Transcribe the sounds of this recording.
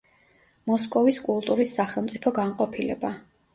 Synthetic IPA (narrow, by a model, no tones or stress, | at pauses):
mɔskʼɔviskʼulˠt̪ʼuɾisːaχɛlˠmt̪sʼipʰɔɡaɴqʼɔpʰilɛba